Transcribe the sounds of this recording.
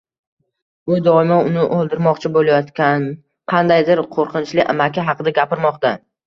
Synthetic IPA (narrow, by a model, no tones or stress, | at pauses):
bʊd̪ɒɪmaʊnɪʔolˠd̪ɪɾmɒqt͡ʃʰɪbolˠajɒt̪kʲan | qʰɑnd̪ajd̪ɪɾqʰoɾqʰɨnt͡ʃlɪʔa̰makʲʰɪɦɑqɨd̪aɡʲapɪɾmɒqt̪a